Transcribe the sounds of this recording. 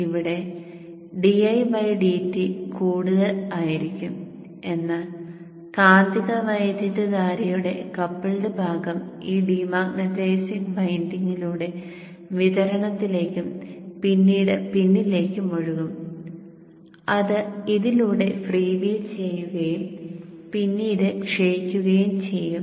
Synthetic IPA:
iʋiɽe̞ | ɖiɐjʋɐjɖiːtːikuːɽuðɐlaːjiɾikʲːum | e̞nːaːl | kaːnd̪iɣɐʋɐjd̪ʱjɐtːɐdaːɾɐjuɽe̞̰kɐpːiɭɖebʱaːɡɐmiːɖiːmaːŋnɐd̪eːsikbʱɐjndiŋːiluːɽe̞ | ʋiðɐɾɐɳɐt̪ːile̞ːkʲːumpinːiːɽɨpinːile̞ːkʲːɨmoɻuɣum | ɐðɨiðiluːɽe̞friːʋiːlt͡ɕe̞jːuɣɐjumpinːiːɽɨkʂejikʲːuɣɐjumt͡ɕe̞jːum

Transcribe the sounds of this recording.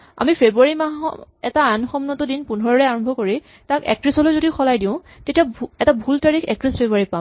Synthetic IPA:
a̰mipʰebɹuaɹimaɦɔ̰ɛ̰taːnxɔmnɔtɔdinpunɔɹɔɹɛaɹɔmbʱɔkoɹi | takɛ̰k̚tɹisɔlojzodixʰɔlajdĩʊ̃ | tetiaɛtabʱultaɹixʰɛ̰k̚tɹispʰebɹaɹipam

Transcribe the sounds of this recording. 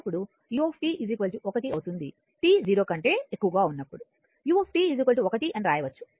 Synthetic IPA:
pːuɽu | juːeːpʰʈiːʔiziːkʋɐlɭʈuʔɔkɐʈiɐwut̪und̪i | ʈiːziːɾo̞ːkɐɳʈe̞ːekːuʋɐɡaːunːɐpːuɽu | juːepʰʈiːiziːkʋɐlʈiɔkɐʈiʔɐnɾaːjɐʋɐt͡ʃːu̥

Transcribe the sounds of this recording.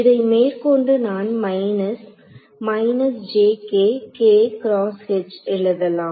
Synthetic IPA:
ɪðɐɪmeːɾkɔɳɖɯnaːnmɐɪnɐs | mɐɪnɐsd͡ʒeːkeːkeːkɪɾaːskɛt͡ʃːɪɭːɐðɐlãːm

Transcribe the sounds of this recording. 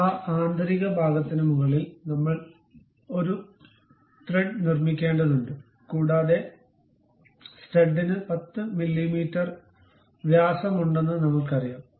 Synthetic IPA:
aːʔaːnd̪ʱɐɾiɣɐbʱaːɡɐt̪ːinɨmuɣɐɭilnɐmːɐɭ | o̞ɾu | ʈreɖnirmikʲːe̞ːɳɖɐðuɳɖɨ | kuːɽaːðe̞ | steɖːinɨpɐt̪ːɨmilːimiːtːɐr | ʋjaːsɐmuɳɖe̞nːɨnɐmɐɭkɐrijaːm

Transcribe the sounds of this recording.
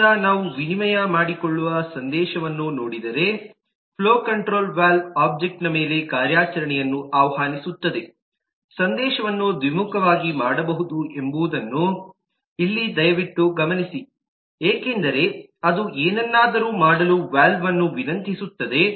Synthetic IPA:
anaːʋuʋinimɐjɐmaːɽikoɭːuʋɐsɐnd̪ɛːʃɐʋɐnːunoːɽid̪ɐɾe̞ | pʰloːkɐɳʈɾo̞ːlʋaːlaːb̚d͡ʒek̚ʈnɐme̞ːle̞kaːɾjaːt͡ʃɐɾɐɳɛjɐnːuʔaːʋɐhaːnisut̪ːɐd̪e̞ | sɐnd̪ɛːʃɐʋɐnːud̪ʋimukʰɐʋaːɡimaːɽɐbɐɦud̪uʔe̞mbuʋd̪ɐnːu | ilːid̪ɐjɐʋiʈːuɡɐmɐnisi | eːke̞nd̪ɐɾe̞ | ɐd̪uʔeːnɛnːaːd̪ɐɾuːmaːɽɐluʋaːlʋɐnːuʋinɐnt̪isut̪ːɐd̪e̞

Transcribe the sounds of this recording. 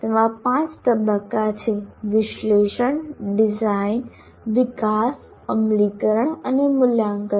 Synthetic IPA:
t̪emãpãt͡ʃt̪əbəkːat͡ʃʰeʋɪʃleʃəɳɖid͡ʒain | ʋɪkas | əmlikəɾəɳənemuljaŋkə

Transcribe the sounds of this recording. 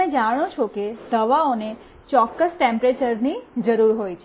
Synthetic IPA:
ẽd͡ʒaɽ̃ot͡ʃʰoked̪əʋaone | t͡ʃɔkːəsʈɛ̃mpɾet͡ʃəɾnid͡ʒəɾuɾɦojt͡ʃʰe

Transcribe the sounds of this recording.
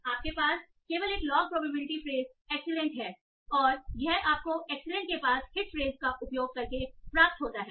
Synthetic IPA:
aːp̚kepaːs | keːʋəleːklɔːɡ̚pɾɔːpɐbɪnɪʈifɾeːz | ɛːksɪlɛ̃ɳʈɦɛː | ɔːɾjɛɦaːp̚koʔɛːksəlɛ̃ɳʈ̚kepaːshɪʈfɾeːzkaʔʊpjoːɡ̚kɐɾkepɾaːp̚t̪ɦoːt̪aɦɛː

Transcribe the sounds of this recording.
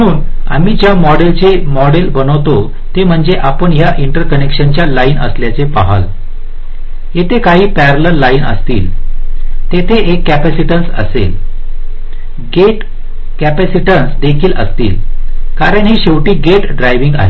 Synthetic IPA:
əuːna̰miːd͡ʑjamɔɽelt͡semɔɽelbənəʋt̪o | t̪em̤əɳd͡zeʔapəɳjaʔiɳʈəɾkənekʂənt͡ɕjalainə̰sljat͡sepaɦa̰l | ɦet̪ekaɦiːpæɾələɾlainə̰st̪iːl | t̪et̪ʰeekːæpæsiʈənsə̰sḛl | ɡeʈ | kæpæsiʈənsd̪ekʰiːlʔə̰st̪iːlkaɾəɳɦiːɕeʋʈiːɡeʈɖɾajʋiŋɡa̰ɦḛ

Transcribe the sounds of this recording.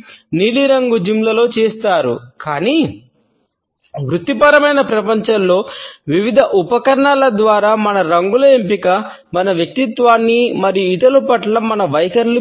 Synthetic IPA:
niːliɾɐŋɡud͡ʒimlɐlo̞ːt͡ʃeːst̪aːɾṵkaːni | ʋɾut̪ːipɐɾɐmɐjnɐpɾɐpɐɲt͡ʃɐllo̞ːʋiʋid̪ʱɐʔupɐkɐɾɐɳalɐd̪ʋaːɾaːmɐnɐɾɐŋɡulɐempikɐ | mɐnɐʋjɐk̚t̪it̪ʋaːnːimɐɾijuit̪ɐlupɐʈlɐmɐnɐʋɐjkɐɾlu

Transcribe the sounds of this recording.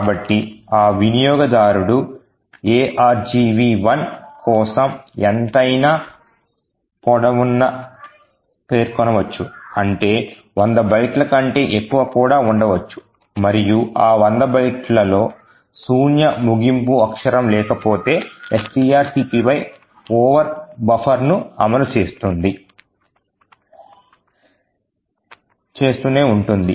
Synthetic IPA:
kaːbɐʈːiaːʋinijɔːɡɐd̪aːɾuɽu | eːʔaːɾd͡ʒiʋiːʋɐnkɔːsɐment̪ɐjnaː | pɔɽɐʋunːɐ | pe̞ːɾkɔnɐʋɐt͡ʃːuɐɳʈe̞ː | ʋɐnd̪ɐbɐjʈlɐkɐɳʈe̞ːʔekːuʋɐkuːɽaːuɳɖɐʋɐt͡ʃːu̥ | mɐɾijuʔaːʋɐnd̪ɐbɐjʈlɐlo̞ː | suːnjɐmuɡimpuɐkʂɐɾɐmlɛːkɐpo̞ːt̪e̞ːesʈiːaːɾsiːpiʋɐj | ɔːʋɐɾbɐpʰɐɾnuɐ̰mɐlut͡ʃe̞ːst̪und̪i | t͡ʃe̞ːst̪uːne̞ːuɳʈund̪i

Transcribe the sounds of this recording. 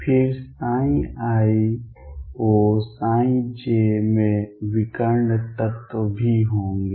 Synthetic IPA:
pʰɪɾsaːĩaːi | oːsaːĩd͡ʒemẽʋɪkəɾnət̪ət̪bʱiɦõːŋɡe

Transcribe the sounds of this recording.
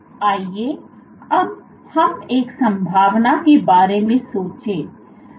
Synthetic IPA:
aːie | ɐb̚ | hɐmeːksə̃mbʱaːʋnakebaːɾemẽsoːt͡ʃeː

